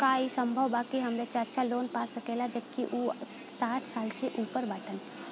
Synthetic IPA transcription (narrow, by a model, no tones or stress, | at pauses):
kaisə̃mbʱəʋbaːkiɦɐmɾet͡ʃaətːʃʰaloːnpaːsɐkeːlad͡ʒɐbkiʔuː | saːʈʰsaːlseʔuːpəɾbaːʈən